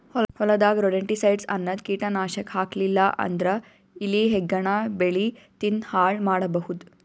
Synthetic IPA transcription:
hɔhɔlɐd̪aːɡɾoɽeɳʈisɐjɖsɐ̰nːɐd̪kiːʈɐnaːʃɐkhaːklilːɐʔɐ̰nd̪ɾɐ | iliɦeɡːɐɳabeɭit̪inhaːɭmaːɽɐbɐhud̪

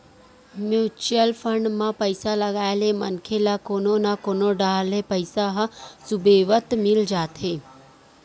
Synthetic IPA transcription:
mjuːt͡ʃəlfʰəɳɖmãpəɪsaləɡaːjlemənkʰelakoːnonakoːnoɖaːlepəɪsaɦəsubeːʋət̪mɪld͡ʒaːt̪eː

